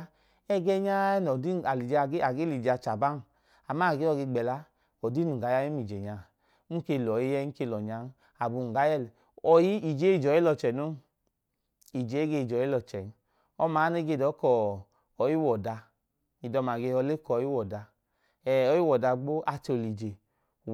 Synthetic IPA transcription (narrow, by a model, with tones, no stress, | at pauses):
ɛ˦ɡɛ˦ɲa˦nɔ˨di˦˨a˨li˨d͡ʒe˦a˨ɡe˦li˨d͡ʒa˧t͡ʃa˨ba˦n˨ | a˨ma˦˨ɡe˦ɔ˦˧ɡe˧ɡ͡bɛ˨la˧˦ | ɔ˨di˦nu˨ɡa˨˦ja˧˦i˦m˦i˨d͡ʒe˨ɲa˨˦ | u˦ke˧˨lɔ˨ji˦jɛ˦ŋ̩˦ke˧lɔ˨ɲa˧˦n˦ | a˨bu˧˨u˨ɡa˨˦jɛ˦l | ɔ˨ji˦i˨d͡ʒe˦i˦˨d͡ʒɔ˨˦i˦lɔ˧t͡ʃɛ˨no˦ | i˨d͡ʒe˨˦e˦ɡe˧i˨d͡ʒɔ˨˦i˦lɔ˧t͡ʃɛ˨n˦ | ɔ˧ma˨˦ne˦ɡe˧˨dɔ˨˦kɔ˨ | ɔ˨˦ji˦wɔ˨da˧ | i˨dɔ˧˨ma˨ɡe˧ɔ˧le˦kɔ˨˦i˦wɔ˨da˧ | ɛ˨ɔ˨˦ji˦wɔ˨da˧ɡ͡bo˦ʔa˧t͡ʃli˨d͡ʒe˨